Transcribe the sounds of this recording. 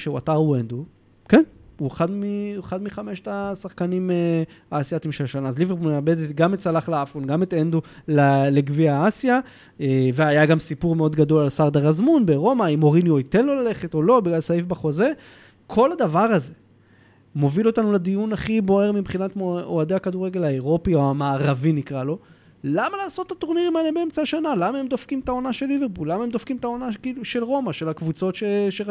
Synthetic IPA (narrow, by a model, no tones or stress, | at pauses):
ʃeuataʁwend̪u | kenueχad̪mieχad̪miχame̞ʃt̪asaχkanimeaːsjat̪imʃelʃanaːzliveʁboneabe̞d̪et̪ɡametsalaχleafonɡamet̪end̪ulaleɡviaasja | eveajaɡamsipuʁmeo̞d̪ɡado̞lalsaʁd̪aʁazmunbeʁo̞maimo̞ʁinjoit̪e̞nlolale̞χeto̞lo̞biɡlalsajifbaχo̞ze̞ | kʰo̞lad̪avaʁaze̞ | mo̞vilo̞t̪anuled̪ijunaχibo̞e̞ʁmibχinatmooad̪eakad̪uʁe̞ɡe̞laeʁo̞pioamaːʁavinikʁalo̞ | lamalaːso̞t̪ːat̪oʁniʁimalebeemt͡saaʃanalamaemd̪o̞fkimt̪ao̞naʃe̞lːiveʁpulːamahemd̪ofkimet̪ao̞nakiluʃe̞lʁo̞maʃe̞lhakvut͡so̞tʃeʃe